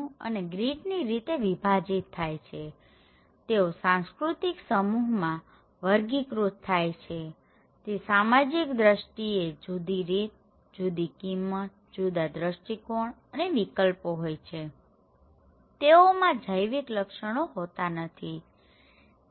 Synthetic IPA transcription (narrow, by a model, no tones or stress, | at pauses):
ə̰neɡɾiʈniɾit̪eʋibʱad͡ʒit̪ʰːajt͡ʃʰe | t̪eosãnskɾut̪iksəmuɦmã | ʋəɾɡikɾutt̪ʰːajt͡ʃʰe | t̪esamad͡ʒikd̪ɾəʃʈied͡ʒud̪iɾit̪̚ | d͡ʒud̪ikimːət̪̚ | d͡ʒud̪ad̪ɾəʃʈikoɳ | əneʋikəlpoɦojt͡ʃʰe | t̪eomãd͡ʒʱəjʋikləkʃəɽ̃oɦot̪anət̪ʰi